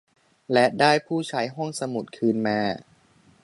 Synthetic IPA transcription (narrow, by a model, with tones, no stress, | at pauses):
lɛ˦˥daː˥˩jpʰuː˥˩t͡ɕʰa˦˥jɦɔ˥˩ŋsa˧mu˨˩t̪̚kʰɯː˧nmaː˧